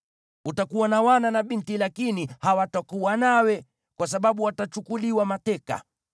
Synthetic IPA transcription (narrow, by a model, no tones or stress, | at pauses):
utakuwanawananaɓintilakinihawatakuwanawɛ | kwas̬aɓaɓuwatat͡ʃukuliwamatɛka̰